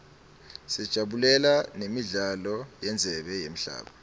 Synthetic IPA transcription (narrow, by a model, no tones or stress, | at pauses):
sɛd̥ʒ̥ʱaɓulɛlanemiɮalɔjɛnd͡zʱɛɓɛjem̩ɬa̰ːɓa